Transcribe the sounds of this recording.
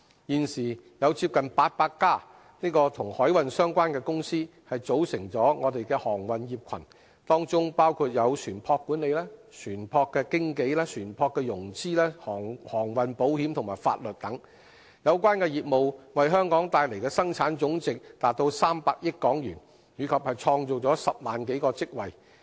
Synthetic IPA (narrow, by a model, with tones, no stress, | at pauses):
jiː˨nsiː˨˩jɐ˨˧wt͡siː˧p̚kɐ˨npaː˧t̚paː˧kːaː˥ | niː˥kɔː˧t̪ʰʊ˨˩ŋhɔː˨˥jwɐ˨nsœː˥ŋkʷaː˥nkɛː˧kʊ˥ŋsiː˥hɐ˨jt͡so˨˥wsɪ˨˩ŋt͡sɔː˨˥ŋɔː˨˧t̪e˨jkɛː˧hɔː˨˩ŋwɐ˨njiː˨p̚kʰɐ˨˩n | t̪ɔː˥ŋt͡sʊ˥ŋpaː˥wkʰuː˧t̚jɐ˨˧wsʰyː˨˩npʰɔː˧kːuː˨˥ne˨˧jlɛː˥sʰyː˨˩npʰɔː˧kːɛː˧kɪ˥ŋke˨˧˥jlɛː˥sʰyː˨˩npʰɔː˧kːɛː˧jʊ˨˩ŋt͡siː˥lɛː˥hɔː˨˩ŋhɔː˨˩ŋwɐ˨npo˨˥whiː˨˥mt̪ʰʊ˨˩ŋmaː˨˩jfa̰ː˧t̚lɵ˨t̚t̪ɐ˨˥ŋ | jɐ˨˧wkʷwaː˥nkɛː˧jiː˨p̚mo˨wwɐ˨jɦœː˥ŋkɔː˨˥ŋt̪aː˧jle˨˩jkɛː˧sɐ˥ŋt͡sʰaː˨˥nt͡sʊ˨˥ŋt͡sɪ˨k̚t̪aː˨t̚t̪o˧wsaː˥mpaː˧k̚jɪ˥t̚kɔː˨˥ŋjyː˨˩n | jyː˨˧kʰɐ˨p̚hɐ˨jt͡sʰɔː˧ŋt͡so˨˩wt͡sɔː˨˥sɐ˨p̚maː˨˩nke˨˥jkɔː˧t͡sɪ˥k̚wɐ˨˩j